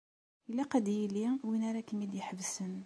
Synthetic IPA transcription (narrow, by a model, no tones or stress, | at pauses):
əlːæqɑd̪jiliwinaɾɑkəmːid̪jəħəbsən